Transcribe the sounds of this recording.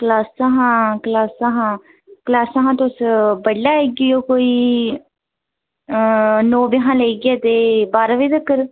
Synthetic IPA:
kəlaːsaɦãːklaːsaɦãː | klaːsaɦãːt̪ʊsbəɽːaːeɡɪjoːkoːiː | noːbɪɦãːləiːɡɛːt̪eːbaːɾaʋiːt̪əkːəɾ

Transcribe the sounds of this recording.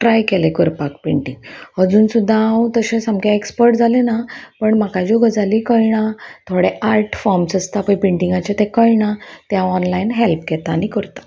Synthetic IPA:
ʈɾajkelekəɾpakpeɳʈĩŋɡɦəd͡zuːnsud̪ʱːaaũt̪əɕẽsamkaekspəɾʈd͡zʱalenapəɳmakad͡ʑoɡəd͡zʱaliːkəjɳ̃at̪ʰoɽeʔaɾʈfɔmsəst̪apəjpiɳʈiŋɡat͡ɕet̪ekəjɳat̪jãɔnlajnɦelp̚kɛt̪aːñikəɾt̪ḁ

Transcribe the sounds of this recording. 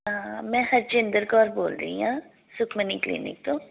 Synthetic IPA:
ɦãmɛ̃ːhɐɾt͡ʃẽnd̪əɾkɔːɾboːlɾɐ̰ḭɦãː | sʊkʰməniklḭːnɪ̰k̚t̪õː

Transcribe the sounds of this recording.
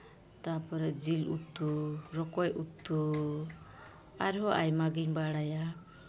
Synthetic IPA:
t̪apɔɾɛd͡ʒilut̪uɾɔkɔjut̪ːu | aɾɦɔʔajmaɡiɲbaɽaja

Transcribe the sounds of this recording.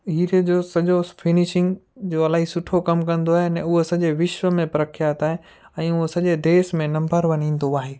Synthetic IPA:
ɦiːɾed͡ʑoːsɐʄofʰɪnɪʃɪ̃ŋɡd͡ʑoːɐlaːɦisʊʈʰokɐmkɐ̃nd̪oaːɦenɛ̃ʊɦosɐʄeʋɪʃʋəmẽpɾɐkʰjaːt̪aːɦẽ | ɛ̃ːʊɦosɐʄed̪eːsmẽnɐ̃mbəɾʋɐnĩːn̆d̪oaːɦeː

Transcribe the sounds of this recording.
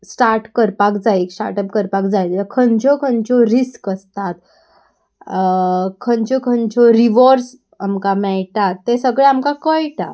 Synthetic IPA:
sʈaɾʈkəɾpakd͡zaiksʈa̰ɾʈəpkəɾpakd͡zait̪əkʰənt͡ɕɔkʰənt͡ɕɔɾiskəst̪at̪ | kʰəɲt͡ɕɔkʰənt͡ɕɔɾiʋɔɾs | amkamɛɭʈat̪ːesəɡɭeamkakəjʈa̰

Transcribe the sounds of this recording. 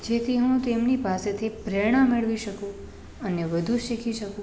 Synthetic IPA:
d͡ʒet̪ʰiɦũt̪emnipaset̪ʰipɾɛɳ̃ãmeɭʋiʃəkũ | əneʋəd̪ʱũʃikʰiʃəkũ

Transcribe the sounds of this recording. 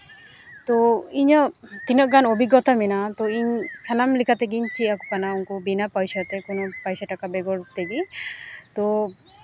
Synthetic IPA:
t̪ɔiɲɔt̪inɔʔɡanobiɡːɔt̪amɛnat̪ɔiɲsanamlikʰat̪ɛɡiɲt͡ʃʰiakukanauŋkubinapɔjsat̪ɛkɔnɔpajsaʈakabɛɡɔɾt̪ɛbit̪ɔ

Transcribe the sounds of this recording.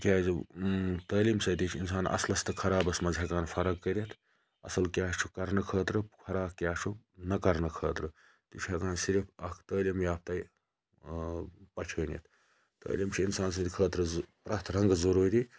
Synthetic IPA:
kʲaːz | t̪əːlimsɐd̪it͡ʃʰinsaːnʔɐ̰slɐst̪ɨkʰɐɾaːbɐsmɐzɦɐkaːnpʰɐɾɐɡ̚kːəɾɐt̪ʰ | ɐ̰sɐlkjaːt͡ʃʰukɐɾnɐkʰəːt̪ɾɨkʰɐɾaːb̚kʲjaːt͡ʃʰu | nɐkɐɾnɐkʰəːt̪ɾɨ | t̪it͡ʃʰɐkaːnsiɾipʰɐkʰt̪əːlimjaːp̚t̪ɐi | pɐt͡ʃʰəːnḭt̪ʰ | t̪ə̰ːlimt͡ʃʰiinsaːns̬ɐ̃t̪ikʰəːt̪ɾɨpɾaːt̪ʰɾɐŋɡzɐɾuːɾi

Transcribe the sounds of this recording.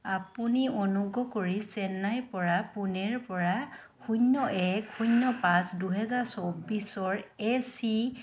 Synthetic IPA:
apuniɔnuɡɔkoɹisɛnajpɔɹapunɛɹpɔɹa | kʰunːɔʔɛkhunːɔpãsduɦɛzaɹsobisɔɹɛsi

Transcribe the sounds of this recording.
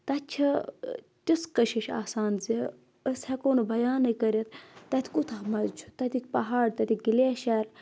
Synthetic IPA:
t̪ɐt̪ʲt͡ʃʰɐ | t̪ʲiskɐʃiʃa̰ːsaːnzi | əshekoːnɨbʱɐjaːnɐkɐɾɐt̪̚ʰːɐt̪ʰʲkut̪ʰaːmɐzt͡ʃʰu̥t̪ɐt̪ʲikʲpɐɦaːɽt̪ɐt̪ʰʲiɡileːʃaːɾ

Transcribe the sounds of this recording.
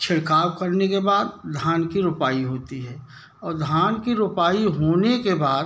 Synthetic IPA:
t͡ʃʰɪɽkaːwkəɾnekebaːd̪d̪ʱaːnkiɾʊpaːiɦoːt̪iɦɛː | ɔːɾd̪ʱaːnkiɾʊpaːiɦoːnekebaːd̪

